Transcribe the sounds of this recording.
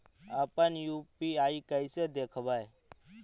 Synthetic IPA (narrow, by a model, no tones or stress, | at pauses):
aːpənjuːpiːaːikəɪseːd̪eːkʰʋaːe